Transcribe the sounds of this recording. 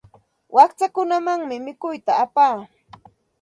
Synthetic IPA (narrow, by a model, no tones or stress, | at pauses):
wʔakt͡sakʊnamaŋmɪmɪkʊjt̪aːpaː